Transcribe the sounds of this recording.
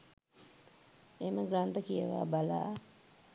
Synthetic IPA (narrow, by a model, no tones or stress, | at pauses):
eməɡɾant̪əkijəʋa̰bala̰ː